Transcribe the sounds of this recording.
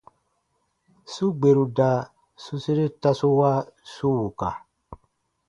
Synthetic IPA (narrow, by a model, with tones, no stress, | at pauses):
su˦ɡ͡be˨ɾu˨da˨ | su˦si˦ɾe˦ta˦su˦wa˦su˦wu˨ka˨